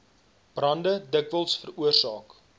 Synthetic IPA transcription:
b̥rɐndədəkvəlˠsfəruərsɑːk

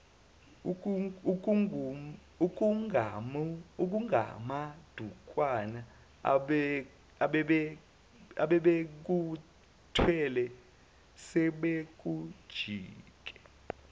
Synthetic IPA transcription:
uk̬uŋamuk̬uŋʱa̰mad̥ʱukʼwana | ɓ | ɓɛɓɛ | aɓɛɓek̬u | tʰwɛlɛ | sɛɓek̬ud̥ʒ̥ʱiːk̬ʼɛ̥

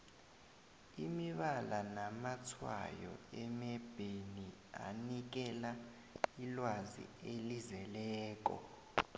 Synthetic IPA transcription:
imiɓalanamat͡sʰwa̰jɔ̰ɛmɛb̥ʱenia̰nik̬ɛla | ilwazḭelizɛlɛːk̬ʼɔ̰

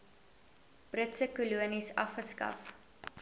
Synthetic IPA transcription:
b̥rətsəkuluənisɐfχəskɐ̰p

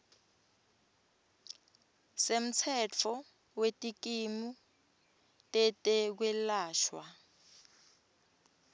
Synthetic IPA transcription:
sem̩t͡sʰɛt͡fʰɔ | wetʼik̬imu | tʼɛtʼɛk̬wɛlaːʃwa

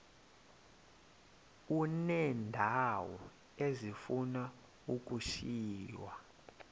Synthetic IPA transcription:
unɛndʱawɔ̰ | ezifuna | uk̬ʼuʃiːwa

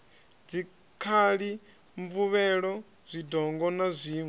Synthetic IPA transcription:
d͡zi | kʰaɺi | ɱvuβɛɺɔ | z̥ʷidɔŋɡɔnazʷiːŋɛ

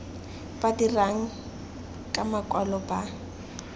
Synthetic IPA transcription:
b̥adiraŋ̩ | kʼamakʼɔlɔba

